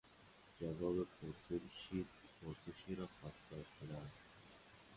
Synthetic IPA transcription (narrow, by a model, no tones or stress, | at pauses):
d͡ʒævɒːbepʰoɾseʃipʰoɾseʃiːɾɒːxɒːsd̪ɒːʃt̪ed̪æs